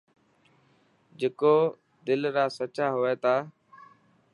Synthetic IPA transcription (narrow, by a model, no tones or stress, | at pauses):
d͡ʒeːkoː | d̪ɪlɾaːsət͡ʃaːɦʊeːt̪aː